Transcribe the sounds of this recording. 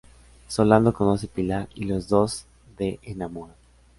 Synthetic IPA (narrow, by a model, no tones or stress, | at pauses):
soland̪okonosepilaɾilo̞zðo̞z | ðeʔenamoɾa